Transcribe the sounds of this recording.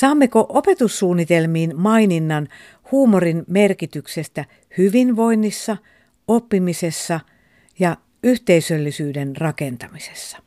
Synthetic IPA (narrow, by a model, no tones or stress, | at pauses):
sɑːmːekoʔopet̪ussuːnːit̪elmiːnmɑininːɑn | huːmorinmerkit̪yksest̪æ | hyʋinʋoinːisːɑ | opːimisesːɑ | jɑ | yht̪eisølːisyːdenrɑkent̪ɑmise̥sːɑ̥